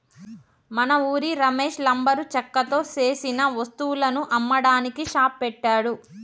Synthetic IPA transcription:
mɐnɐuːɾiɾɐme̞ːʃlɐmbɐɾut͡ʃɐkːɐt̪o̞ːse̞ːsinɐʋɐst̪uwulɐnuʔɐmːɐɽaːnikiʃaːppɛʈːaːɽu

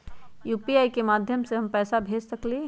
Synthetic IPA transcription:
juːpiaːikemaːd̪ʱjəmseɦɐmpɛːsabʱeːd͡ʒsəkle

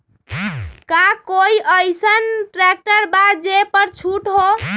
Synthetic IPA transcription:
kakoiʔəjsənʈɾɛk̚ʈəɾbad̪d͡ʒepəɾt͡ʃʰuʈɦo

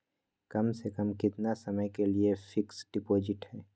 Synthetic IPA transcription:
kɐmsekɐmkɪt̪nasɐməjkeliefʰɪksɖɪpoːd͡ʒɪʈhɛː

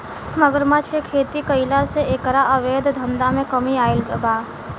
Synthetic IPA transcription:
məɡəɾmat͡ʃkekʰeːt̪ikəɪlaseekɾaʔəʋeːd̪ʱd̪ʱənd̪amẽkəmiaːɪlɡbaː

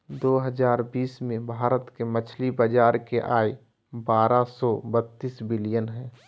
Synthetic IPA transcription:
d̪oːɦəd͡ʒaːɾbiːsmẽbʱaːɾət̪kemət͡ʃʰlibəd͡ʒaːɾkeʔaːi | baːɾasɔbət̪ːiːsbɪlijənɦɛ̃ː

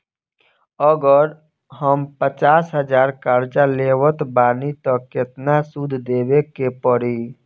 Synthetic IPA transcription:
əɡəɾ | ɦəmpət͡ʃaːsɦəd͡ʒaːɾkaːɾd͡ʒaleːwət̪baːnit̪əkːɪt̪nasud̪ʱd̪eːwekepəɾiː

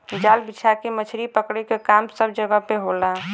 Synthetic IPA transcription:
d͡ʒaːlbɪt͡ʃʰakemət͡ʃʰɾipəkɽekekaːmsəbd͡ʒəɡəpeɦola

